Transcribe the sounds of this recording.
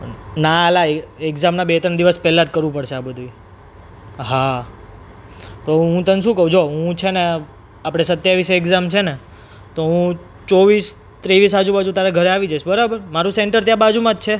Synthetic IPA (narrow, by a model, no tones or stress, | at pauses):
nalaeekzamnabet̪ɾəɳd̪iʋəspɛlːat̪̚kəɾʋũpəɽʃeabəd̪ʱui | ɦa | t̪oɦũt̪ənʃũkəũd͡ʒoɦũt͡ʃʰene | apəɽ̃esət̪jaʋisekzamt͡ʃʰene | t̪oɦũ | t͡ʃoʋis | t̪ɾeʋisad͡ʒubad͡ʒũt̪aɾaɡʱəɾeaʋid͡ʒaʃbəɾabəɾmaɾũseɳʈəɾt̪jãbad͡ʒumãt̪̚t͡ʃʰe